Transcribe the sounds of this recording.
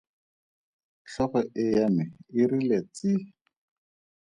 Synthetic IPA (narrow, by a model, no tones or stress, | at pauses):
ɬɔχɔʔɪjamɪɪɾilet͡sɪ